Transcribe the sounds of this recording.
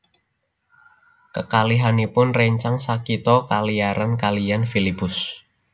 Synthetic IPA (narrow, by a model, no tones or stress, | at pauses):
kəkaliɦanipʊnrɛɲt͡ʃaŋsakit̪ɔkalijaɾankalijanfilipʊs